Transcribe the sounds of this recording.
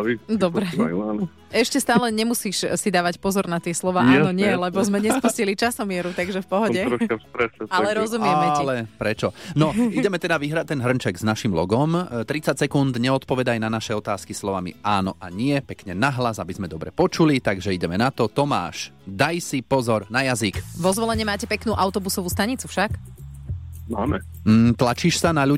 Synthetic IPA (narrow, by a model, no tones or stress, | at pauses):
id̪ɔbɾɛanɔ | ɛʃcɛst̪aːlɛɲɛmusiːʃsid̪aːʋacpɔzɔɾnat̪ɪɛslɔʋaːanɔɲɪɛlɛbɔzmɛɲɛspuscilit͡ʃasɔmɪɛɾut̪aɡʒɛfpɔɦɔɟɛɾɔkaspɾɛʃɛalɛɾɔzumɪɛaɛilɛpɾɛt͡ʃɔnɔidɛmɛt̪ɛd̪aʋiɦɾat̪ːɛnɦr̩nt͡ʃɛɡznaʃimlɔ̰ɡɔmt̪ɾit͡sacsɛkund̪ɲɛɔt̪pɔʋɛd̪ajnanaʃɛɔt̪aːskislɔʋamḭaːnɔʔaɲɪɛpɛkɲɛnaɦlazabizmɛd̪ɔbɾɛpɔt͡ʃulit̪aɡʒɛiɟɛmɛnat̪ɔt̪ɔma̰ːʃ | d̪ajsipɔzɔɾnajazikʋɔzʋɔlɛɲɛmaːcɛpɛknuːʔaʊt̪ɔbusɔʋuːst̪aɲit͡sufʃak | na̰mɛ | m̩ːt̪lat͡ʃiʃsanaʎu